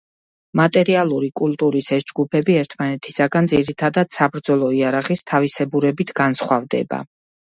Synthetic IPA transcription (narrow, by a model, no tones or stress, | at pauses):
mat̪ʼɛɾialˠuɾikʼulˠt̪ʼuɾisɛsd͡ʒɡupʰɛbiɛɾt̪ʰmanɛt̪ʰisaɡand̪ziɾit̪ʰad̪ad̪̥sabɾd̪zɔlˠɔiaɾaʁist̪ʰavisɛbuɾɛbit̪ʰɡansχwavd̪ɛ̰ba̰